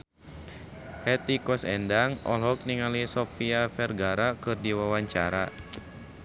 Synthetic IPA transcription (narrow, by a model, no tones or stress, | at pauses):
hɛt̪ikɔsɛndaŋɔ̰lɦɔk̚niŋalisɔfiafɛrɡaɾakɨrdiwawaɲt͡ʃaɾa